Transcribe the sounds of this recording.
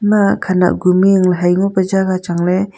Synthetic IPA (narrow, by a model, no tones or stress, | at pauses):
makʰana̰ʔ̚ɡumiɯŋleɦajŋɔpad͡ʒaɡat͡ʃaŋle